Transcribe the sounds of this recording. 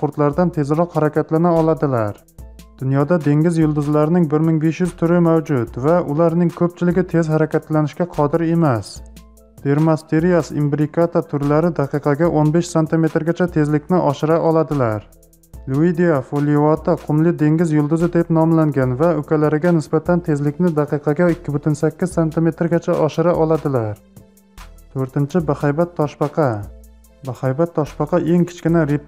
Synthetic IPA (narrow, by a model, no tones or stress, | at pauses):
pʰoɾt̪laɾd̪ant̪ʰe̞zɾɒqhaɾakʲat̪lanaɒlˠad̪ɪlaɾ | d̪̥ʊnjɒd̪ad̪e̞ŋʲɪzjʊlˠd̪ʊzlaɾɪnɪŋbɪɾmɪŋbe̞ʃjʏz̥t̪ʰʊɾɪmawd͡ʒʊt̪vaʔʊlaɾnɪŋkʰɵp̚t͡ʃʰɪlɪɡʲɪt̪ʰe̞zhaɾakʲat̪lanɪʃkʲaqʰɒd̪ɪɾe̞mas | d̪̥e̞ɾmast̪ʰeɾijasimbɾɪkʰat̪ʰat̪ʰʊɾlaɾɪd̪ɑqʰɨqʰɑɡʲaʔonbe̞ʃsant̪ʰɪme̞t̪ɾɡʲat͡ʃʰat̪ʰe̞zlɪkʲnɪʔɒʃɪɾaʔɒlˠad̪ɪlaɾ | luid̪ijafolivat̪ʰaqʰʊmlɪd̪e̞ŋɡʲɪzjʊlˠd̪ʊzɪd̪e̞pnɒmlaŋɡʲanvaɵkʲalaɾɪɡʲanɪsbat̪ʰant̪ʰe̞zlɪkʲnɪd̪ɑqɨqʰɑɡʲaɪkʲːɪbʊt̪ʰɪnsakʲːɪz̥sant̪ʰɪme̞t̪ɾɡʲat͡ʃʰaʔɒʃɪɾaʔɒlˠad̪ɪlaɾ | t̪ʰɵɾt̪ɪnt͡ʃʰɪbahajbat̪ʰːɒʃpɑqʰɑ | bahajbat̪ʰːɒʃpɑqʰɑʔe̞ŋkʲʰɪ̥t͡ʃkʲɪnaɾip